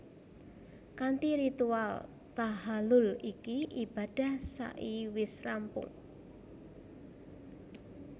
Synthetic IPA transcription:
kant̪iɾit̪ual | t̪aɦalʊlikiʔib̥a̤d̥a̤hsa̰ʔiwɪsrampʊ̰ŋ

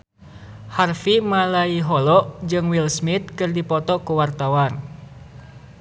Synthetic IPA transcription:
harfimalaiɦɔlɔʔd͡ʒɨŋwilsmit̪̚kɨrdipɔt̪ɔkuwart̪awan

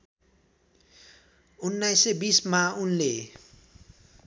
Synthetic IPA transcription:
unːajsebismaunle

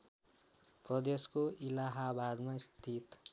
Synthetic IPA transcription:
prʌd̪eskoilaɦabad̪maist̪ʰit̪

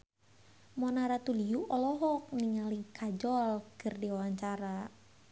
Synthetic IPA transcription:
mɔnaɾat̪uliuʔɔlɔɦɔk̚niŋalikʰad͡ʒɔlkɨrdiwawaɲt͡ʃaɾa

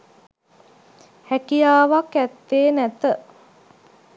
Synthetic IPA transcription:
hækijaːʋakæt̪ːeːnæt̪ə

